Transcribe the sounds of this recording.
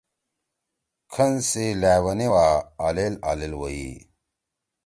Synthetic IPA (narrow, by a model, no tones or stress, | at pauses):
kʰɐnsilaːwɐniwaalela̰ːlelwoḭ